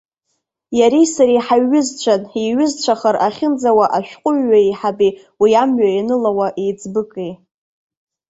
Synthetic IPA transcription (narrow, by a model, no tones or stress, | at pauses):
jaɾisaɾiħaɥːʏzt͡ɕʷʰaniɥɪzt͡ɕʷʰaχaɾaχʲɪnd͡zawaʔaʃᶣqʷʼʊɥːaiħabi | wiamɥainɨlawaʔejd͡zʼbɨkʼi